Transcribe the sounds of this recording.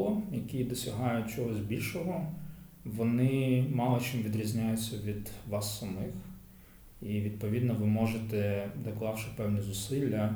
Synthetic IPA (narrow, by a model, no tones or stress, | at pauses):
lˠɔjɐkʲid̪ɔsʲɐɦɑjʊt͡ʃɔɦɔzʲbʲilʲʃɔɦɔ | ʋɔnɪmɑlˠɔt͡ʃimʋʲid̪ɾʲizʲnʲajʊt͡sʲːɐʋʲid̪ʋɑsːɐmɪx | iʋʲid̪̚pɔʋʲid̪nɔʋɪmɔʒet̪ɛd̪ɐklˠɑwʃɪpɛwnʲizʊsɪlʲːɐ